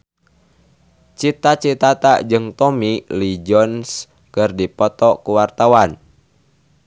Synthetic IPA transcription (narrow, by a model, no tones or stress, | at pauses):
t͡ʃit̪at͡ʃit̪at̪ad͡ʒɨŋt̪ɔmilid͡ʒɔns | kɨrdipɔt̪ɔkuwart̪awan